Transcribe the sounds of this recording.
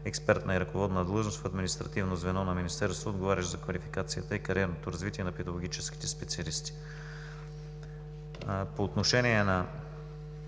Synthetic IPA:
ɛkspɛɾt̪nɐiɾɐkovɔd̪nɐd̪lˠɤʒnost̪fɐd̪minist̪ɾɐt̪ivnozvɛnɔnɐminist̪ɛɾst̪voːd̪ɡovaɾʲɐʃzɐkvɐlifi̥kat̪sijət̪əikɐɾiɛɾnot̪oɾɐzvit̪iɛnɐpɛd̪ɐɡoɡ̟it͡ʃɛski̥t̪ɛspɛt̪siɐlist̪i̥ | poːt̪noʃɛniɛnɐ

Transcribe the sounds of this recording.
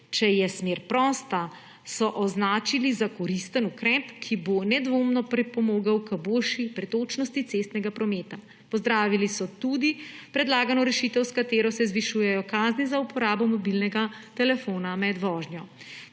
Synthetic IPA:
t͡ʃɛjɛsmeːɾpɾɔːst̪a | sɔʔɔznaːt͡ʃilizakɔɾist̪ənukɾɛpkʰibonɛd̪ʋoːmnɔpɾɛpɔmoːɡawkəboːlʃipɾɛt̪ot͡ʃnɔst̪it̪sest̪nɛɡapɾɔmeːt̪a | pɔzd̪ɾaːʋilisɔt̪ud̪ipɾɛd̪laːɡanɔɾɛʃit̪ɛwskat̪eːɾɔsɛzʋiʃuːjɛjɔkaːznizaupɔɾaːbɔmɔbilnɛɡat̪ɛlɛfoːnamɛd̪ʋɔːʒnjɔ

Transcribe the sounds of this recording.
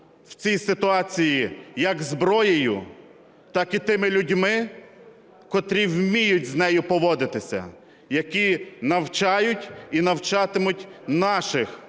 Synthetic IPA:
wt͡sʲijsɪt̪ʊɑt͡sʲijijɐɡzbɾɔjejʊ̰ | t̪ɑkit̪ɪmɪlʲʊdʲmɪ | kɔt̪ɾʲiwmʲijʊtʲznɛjʊpɔʋɔd̪ɪt̪ɪsʲɐ̰ | jɐkʲinɐwt͡ʃɑjʊtʲinɐwt͡ʃɑt̪ɪmʊtʲnɑʃɪx

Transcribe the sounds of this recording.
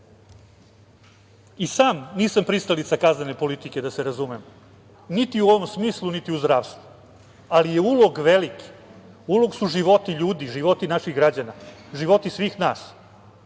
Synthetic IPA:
isaːmniːsampɾist̪alit̪sakaznene̞po̞lit̪ike̞d̪aseɾazumem | nit̪iuoʋo̞msmiːslˠunit̪iuzd̪ɾaːʋst̪ʋu | alijeulˠoɡʋeliki̥ | ulo̞ɡsuʐiʋo̞t̪iʎuːd̪iʐiʋo̞t̪inaʃiɣɡɾad͡ʑanaʒiʋo̞t̪isʋiːxnaːs

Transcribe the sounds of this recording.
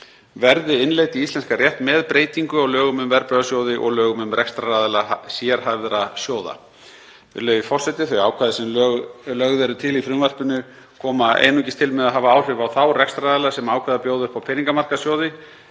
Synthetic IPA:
vɛɾðɪɪnleːjt̪iist̪lɛnskarjɛht̪mɛðpɾeːjt̪iŋkʏɔɣlœːɣʏmʏmvɛɾpœɣasjoːwðɪʔɔ̰ɣlœːɣʏmʏmrʔɛkst̪ɾaaðɛlasjɛɾ̥haðvɛɾasjoːwða̰ | vɪ̰lœːɥvɪfɔr̥sɛt̪ɪθœɥjaːwkʰvaːðɪsɛmlœlœɣðɛɾʏt̪ʰɪlifɾʏvar̥pʏnːʏ | kʰɔːmaʔḛːjnucɪst̪ʰɪlmɛðaðɦaːvaaːwr̥ɪvawθawrɛkst̪ɾaðɛlasɛmaːwkʰvaːðapjoːwðʏhpawpʰɪniŋkamar̥kasjoːwðɪ

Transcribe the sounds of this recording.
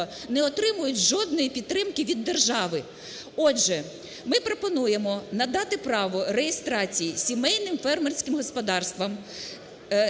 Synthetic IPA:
nɛɔt̪ɾɪmʊjʊtʲʒɔd̪̚nɔjipʲid̪̚t̪ːɾɪmkɪʋʲid̪ːerʒɑʋɪ | ɔʒɛ | mɪpɾɔpɔnujemɔnɐd̪ɑt̪ɪpɾɑʋɔɾejest̪ɾɑt͡sʲijisʲimɛjnɪmfɛrmersʲkɪmɦɔspɔd̪ɑrst̪ʋɐm

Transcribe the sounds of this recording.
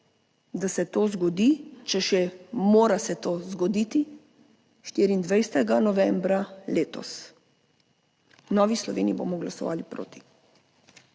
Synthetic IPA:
d̪asɛt̪oːzɡɔd̪it͡ʃɛʃɛmoːɾasɛt̪oːzɡɔd̪iːt̪i | ʃt̪iːɾiːnd̪ʋɛjst̪ɛɡanɔʋɛmbɾaleːt̪ɔ̰s | nɔːʋislɔʋeːniibo̰ːmɔɡlasɔʋa̰ːlipɾo̰ːt̪i̥

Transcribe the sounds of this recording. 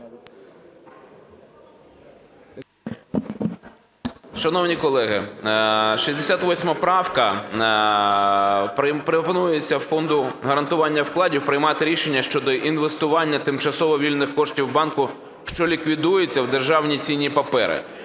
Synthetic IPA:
ʃɐnɔwnʲikɔlˠɛɦɪ | ʃisʲd̪esʲat̪ʋɔsʲmɐpɾɑwkɐ | ppɾepɔnujet͡sʲːɐfɔnd̪ʊɦɐɾɐnt̪ʊʋɑnʲːɐwklˠɑdʲiwpɾɪjmɑt̪ɪɾʲiʃenʲːɐʃt͡ʃɔd̪ɔʔinʋest̪ʊʋɑnʲːɐt̪ɪmt͡ʃɐsɔʋɔʋʲilʲnɪxkɔʂtʲiwbɑnkʊ | ʃt͡ʃɔlʲikʋʲid̪ujet͡sʲːɐwd̪erʒɑwnʲit͡sʲinʲːipɐpɛɾɪ̰

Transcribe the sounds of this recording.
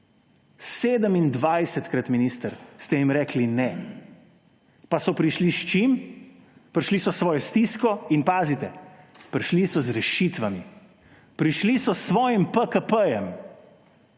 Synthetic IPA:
sseːd̪əmind̪ʋajsɛt̪kɾat̪miniːst̪əɾst̪ɛjimɾɛːklinɛ | pasɔpɾiʃliʃt͡ʃim | pɾʃlisɔsʋɔːjɔst̪iskɔinpaːzit̪ɛ | pɾʃlisɔzɾɛʃit̪ʋami | pɾiʃlisɔsʋɔːjimpəkəpəjɛm

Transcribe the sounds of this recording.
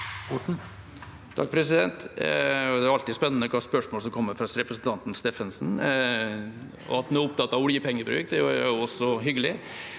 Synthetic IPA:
ɔʈɳ̩ | t̪ʰɑ̰k̚pʰɾɛsɪd̪ɛnt̪ɔd̪ɛæɾɑlt̪ɪspɛnːənəkʰɑːspœʂmoːls̬ɔmkʰɔmːəfɾɑsɾɛpɾəsn̩t̪ʰɑnt̪n̩st̪eːfənsn̩ | ɔ̰ɑt̪hnæɾʊpt̪ɑt̪ːɑʋʊljəpʰɛŋːəɾbɾʉ̰ːkd̪ɛɑʊɔsɔɦʏɡːəlɪ

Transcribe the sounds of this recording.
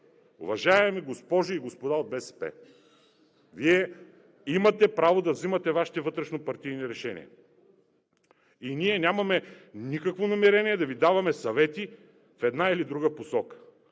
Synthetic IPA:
o̰vɐʒaɛmiɡospɔʒʊiɡospod̪aod̪̚bɛsɛ̥pɛ̰ | viɛ | imɐt̪ɛpɾavod̪ɐvzimɐt̪ɛvaʃi̥t̪ɛvɤt̪ɾɛʃnopɐɾt̪ijniɾɛʃɛnḭɛ̰ | iniɛnʲamɐmɛnʲikəkvonɐmɛɾɛniɛd̪ɐvid̪avɐmɛsɐvɛt̪i | fɛd̪nailid̪ɾuɡəposɔkə̥

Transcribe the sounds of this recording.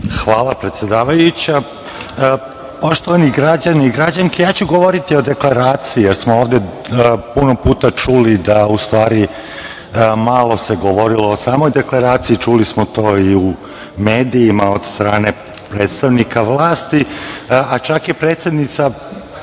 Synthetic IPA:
xʋaːlˠapɾe̞t̪sjed̪aːʋajut͡ɕa | poʃt̪oʋaniɡɾad͡ʑaniiɡɾad͡ʑaŋkejaːt͡ɕuɡoʋoɾit̪io̞d̪e̞klˠaɾaːt̪siijeɾsmooːʋd̪e | puno̞puːt̪at͡ʂulid̪aust̪ʋaːɾi | malˠo̞se̞ɡoʋo̞ɾilo̞osaːmo̞jd̪e̞klˠaɾaːt̪siit͡ʃulismot̪o̞ːiu | me̞ːd̪iːmaod̪st̪ɾaːne̞ | pɾe̞ːt̪st̪aʋnikʰaʋlˠaːst̪iat͡ʃakjepɾeːt̪se̞d̪nit̪sa

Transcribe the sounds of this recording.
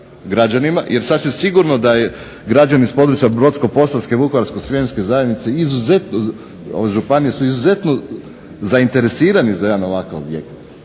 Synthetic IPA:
ɡɾad͡ʑanimajʔe̞ɾsad̪sʋimsiɡuɾnod̪aje | ɡɾad͡ʒanispo̞d̪ɾut͡ʃiabɾo̞t̪sko̞po̞saskeʋukoʋaɾskosʋʲjemske̞zajed̪nit̪seizuze̞t̪no | o̰ʋʒupanijesuizuze̞t̪no | zaint̪e̞ɾe̞siːɾanizaed̪ano̞ʋakaʋo̰bjḛkt̪

